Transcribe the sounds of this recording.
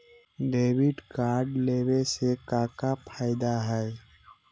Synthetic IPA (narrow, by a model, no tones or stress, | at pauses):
ɖeːwɪɖkaːɾɖleːwesekaːkapʰaːɪd̪aɦɛː